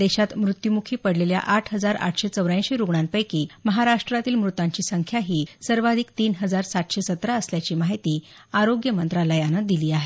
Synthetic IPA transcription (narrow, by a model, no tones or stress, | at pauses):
d̪eɕat̪mɾut̪jumukʰiːpəɽlelja̰ʔaʈʰɦəd͡zaɾa̰ʈʰɕet͡səwɾãj̃ɕeɾuɡɳanpəjkiːməɦaɾaʂʈɾat̪iːlmɾut̪aɲt͡ɕiːsəŋkʰjaɦiːsəɾʋad̪ʱikt̪iːnɦəd͡zaɾsat̪ɕesət̪ɾaəsljat͡ɕiːmaɦit̪iː | aɾoɡjəmənt̪ɾalajanəd̪iliːaɦe